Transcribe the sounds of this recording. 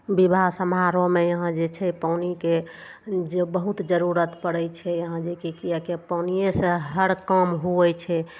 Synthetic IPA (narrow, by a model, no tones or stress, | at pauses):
bibʱasəmɦaɾomejəɦãd͡ʒet͡ʃʰɛpawnike | d͡ʒebəɦut̪d͡ʒəɾuɾət̪pəɽɛt͡ʃʰɛjəɦãd͡ʒekekijakepanijesẽɦəɽkəmɦuɛt͡ʃʰɛ